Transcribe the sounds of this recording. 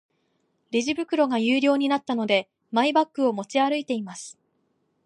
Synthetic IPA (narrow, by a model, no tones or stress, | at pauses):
ɾʲiʑibɯ̟kɯ̟ɾo̞ɡajɯːɾʲo̞ːɲ̟inat̪ːano̞d̪e̞ | maibakːɯ̟o̞mo̞t͡ɕiaɾɯ̟it̪e̞imasɨ̥